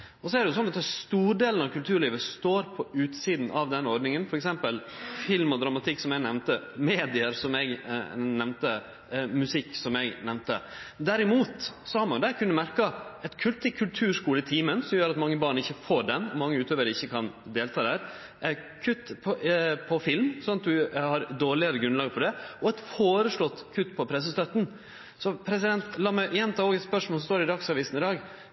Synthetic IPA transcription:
ɔsɔæɾɖɛjʊsɔnːɑt̪ːæst̪uːɖeːlən̩ɑʋkʰʉlt̪ʰʉːɾɭiːʋəst̪oːɾpʰɔʉːt̪siːd̪nɑʋd̪ɛnːəɔɾɖ̪nɪŋənfɔɾɛksɛmpəlfɪlmɔd̪ɾɑmɑt̪ʰɪkːsɔmjæɡnɛʋnt̪əmeːd̪ɪəɾsɔmɛɡnɛʋnt̪ə | mʉsɪkːsɔmɛɡnɛʋnt̪əd̪æɾɪmuːt̪sɔhɑɾmɑnjʊd̪æɾkʰʉnːəmæɾkɑɛt̪kʰʉlt̪ɪkʰʉlt̪ʰʉːʂkuːləɪt̪ʰiːmənsɔmjøːɾɑt̪mɑŋːəbɑːɳɪçːəfoːɖɛnɔmɑŋːəʉːt̪ʰøːʋəɾəɪçːəkʰɑnd̪eːlt̪ʰɑːd̪æːɾ | kʰʉt̪ːpʰɔpʰɔfɪlmsɔnːɑt̪d̪ʉhɑɾd̪oːɭɪəɾəɡɾʉnlɑːɡpʰɔd̪ɛɔɛt̪foːɾəʂlɔt̪ːkʰʉt̪ːpʰɔpʰɾɛs̬əst̪œt̪n̩ | sɔpʰɾɛs̬ɪd̪ɛnt̪lɑːmæʔjɛnt̪ʰɑːoːɡɛt̪spœʂmolsɔst̪oːɾɪd̪ɑksɑʋɪst̪n̩ɪd̪ɑːɡ

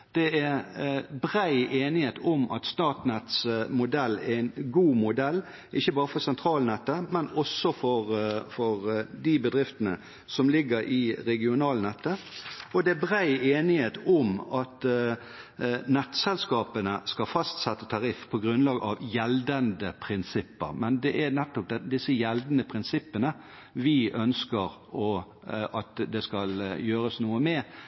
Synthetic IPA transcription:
d̪̥ɛæɾbɾæɪʔeːnɪheːt̪ʰʊmʔɑ̰t̪st̪ɑːt̪nɛt̪smʊd̪ɛlːæ̰ænɡuːmʊd̪ɛlː | ʔɪçːəbɑːɾəfɔɾsɛnt̪ʰɾɑːlnɛt̪ːəmɛnɔsːɔfɔɾfɔɾd̪ɪbəd̪ɾɪft̪ənə̰ | sɔmlɪɡəɾʔɪɾɛɡɪʊnɑːlnɛt̪ːəɔd̪ɛæbʁæɪeːnɪheːt̪ʊmɑt̪ | nɛt̪ːsɛlskɑːpənəskɑfɑst̪sɛt̪ːət̪ʰɑɾɪfpʰɔɡɾʉnlɑːɡʔɑʋjɛld̪ənd̪əpʰɾɪnsɪpːə̰ɾmɛnd̪ɛʔæɾnɛt̪ːɔp̚d̪ɛd̪ɪsːəjɛld̪nəpʰʁɪnsɪpːənə | ʋɪœnskəɾ | ɔ | ɑt̪d̪ɛskɑljøːɾəsnuːəmɛ

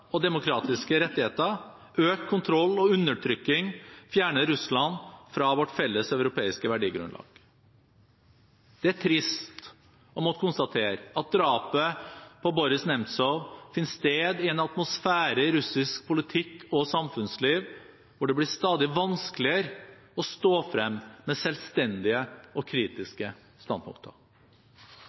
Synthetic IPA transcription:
ɔd̪ɛmʊkʰɾɑːt̪ɪskəɾɛt̪ːɪheːt̪ə | øːkkʰʊnt̪ʰɾɔlːɔʉnːəʈʰɾʏkːɪŋfjæːɳəɾːʉslɑnfɾɑʋɔʈːfɛlːəsɑʉɾʊpʰeːɪskəʋæɖiːɡɾʉ̰nlɑ̰ːɡ̥ | d̪̥ɛæʈʰɾɪst̪ | ɔmɔt̪əkʊnst̪ɑt̪ʰeːɾɑt̪̚d̪ɾɑːpəpʰɔbɔɾɪsnɛmt̪sɔʋfɪnst̪eːd̪ɪɛnɑt̪mʊsfæːɾəɾʉsɪskpʰʊlɪt̪ʰɪkʰːɔsɑmfʉnsliːʋ | ʋʊɖɛblɪst̪ɑːd̪ɪʋɑnskəlɪəɾ | ɔst̪oːfɾɛmːmɛsɛlst̪ɛnd̪ɪəɔkʰɾiːt̪ɪskə | st̪ɑnpʰʊ̰ŋk̚t̪ʰə

